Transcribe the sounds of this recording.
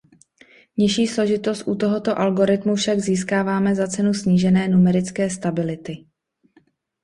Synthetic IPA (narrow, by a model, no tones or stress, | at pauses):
ɲɪʃiːslo̞ʒɪt̪o̞st̪ʔut̪o̞ɦo̞t̪o̞ʔalɡo̞ɾɪt̪mufʃaɡziːskaːvaːmɛzat͡sɛnusɲiːʒɛnɛːnumɛɾɪt͡skɛːst̪abɪlɪt̪ɪ